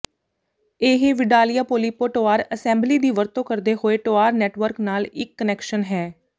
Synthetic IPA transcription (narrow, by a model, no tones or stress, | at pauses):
eːɦeːʋɪɖaːlijaːpoːliːpoːʈoːaːɾəsɛ̃ːmbliːd̪iːʋəɾt̪õːkəɾd̪eːɦoːeːʈoːaːɾnɛːʈʋəɾknaːlɪkːənɛːkʃənɦɛː